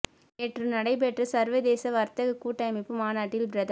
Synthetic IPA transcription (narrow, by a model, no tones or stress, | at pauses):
eːʈrɯnɐɽɐɪp̬ɛʈrɐsɐɾʋɐd̪eːsɐʋɐɾt̪ɐɣɐkuːʈːɐɪmɪpːɯmaːnaːʈːɪlbɾɐðɐ